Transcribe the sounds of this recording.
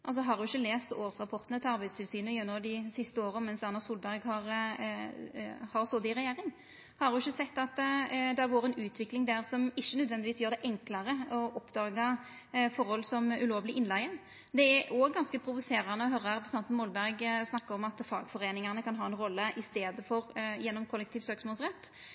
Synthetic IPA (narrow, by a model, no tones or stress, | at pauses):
ʔɑls̬ɔɦɑɾd̪ʊɪçːəleːst̪oːʁsʁɑpʰɔʁt̪ənət̪ʰɪlɑɾbæɪd̪st̪ʰɪlsyːnəjʉnːɔd̪ɪsɪst̪əoːɾənmɛnsɑnɑsuːlbæɾɡhɑɾ | hɑɾsɔd̪ɪɾɛjeːɾɪŋ | hɑɾʉɪçːəsɛt̪ːɑt̪d̪æɾʋoːɾəɛnʉːt̪ʰʋɪklɪŋd̪æʁsɔmɪçːənœd̪ʋɛnd̪ɪʋiːsjøːɾd̪ɛʔɛŋklɑɾəɔʔɔpd̪ɑːɡɑ | fɔɾhɔlsɔmʉloːʋlɪʔɪnlæɪə | d̪ɛæoːɡːɑnskəpʰɾʊʋʊseːɾɑnəɔɦœɾəɾɛpɾsɛnt̪nmɔːlbæɾɡsnɑkːɑɾɔmɑt̪fɑ̰ːɡfɔɾeːnɪŋɑnəkʰɑnɦɑːɛnɾɔlːəʔɪst̪eːd̪əfɔɾjɛnːɔmkʰʊlːɛk̚t̪ʰiːʋsøːksmɔːlsʁɛt̪ː